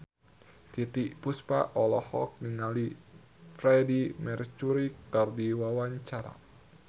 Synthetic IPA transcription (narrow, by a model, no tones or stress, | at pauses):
t̪it̪iʔpuspa̰ɔlɔhɔ̰k̚niŋali | fɾɛdimɛrt͡ʃuɾikardiwawaɲt͡ʃaɾa̰